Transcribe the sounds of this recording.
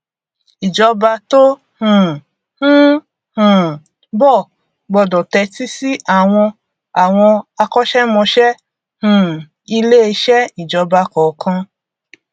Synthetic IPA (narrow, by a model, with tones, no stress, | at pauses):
i˨d͡ʒɔ˧ba˧to˦ | hũ˨ | hũ˦ | hũ˨ | bɔ˦˨ | ɡ͡bɔ˧˨dɔ˨tɛ˧ti˦si˦ʔa˦˨w̃ɔ̃˧ | a˨w̃ɔ̃˧a˧kɔ˦ʃɛ˦mɔ̃˧ʃɛ˦ | hũ˨ | i˧le˦e˧ʃɛ˦i˨d͡ʒɔ˧ba˧kɔ˨˦kʰã˧